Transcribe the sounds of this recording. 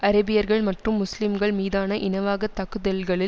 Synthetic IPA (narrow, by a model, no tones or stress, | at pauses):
ɐɾɐbɪjɐɾɣɐɭmɐʈrɯmːʊslɪmɡɐɭmiːðaːnɐʔɪnɐʋaːɣɐt̪ːɐɣɯðɐlɡɐɭɪ